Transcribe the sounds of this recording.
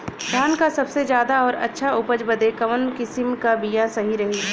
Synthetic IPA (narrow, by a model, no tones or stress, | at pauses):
d̪ʱaːnkasɐbsezjaːd̪aɔːɾɐ̰tːʃʰaʊpəd͡ʒbəd̪ekɐʋənkɪsɪmkabijãsɐɦiɾɐɦi